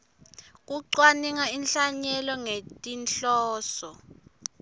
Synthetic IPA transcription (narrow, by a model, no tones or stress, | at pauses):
k̬ʼuǀwaniŋainɬaɲɛlɔŋetʼinɬɔːsɔ